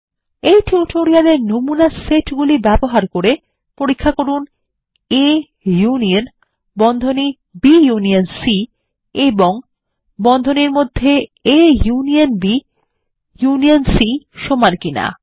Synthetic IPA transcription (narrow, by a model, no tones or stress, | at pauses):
ejʈiuʈʰoɾialeɾnomunaseʈɡulibɛboɦaɾkoɾe | poɾikʰːakoɾun | e | junion | bɔnd̪ʱoni | bijunionsi | eboŋ | bɔnd̪ʱoniɾmod̪ʱːeejunionbi | junionsiʃomankina̰